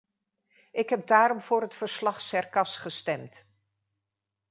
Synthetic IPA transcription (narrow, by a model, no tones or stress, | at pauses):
ʔɪkɦɛb̚daːɾɔmvʊːɹɦətfəɹslɑχsɛɹkɑsχəstɛmt